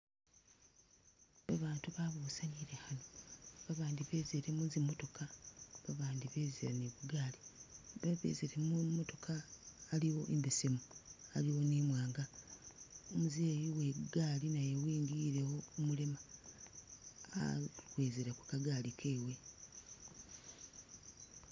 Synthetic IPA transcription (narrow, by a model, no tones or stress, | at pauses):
βaβaːntuβaβuːsaniɾehanoβaβaːndiβe̞ːzeɾemuzimo̞to̞kʰaβaβaːndiβezeɾaneβuɡaːliβaβḛzeɾemumoto̞kʰaːliwo̞ʔḛmbesemualiwo̞nemwaːŋɡa | omuzeːjiweɡaːlinajewiːŋɡiɾe̞woːmulema | a̰kwe̞ːzeɾakukaɡaːlikʰe̞ːwe̞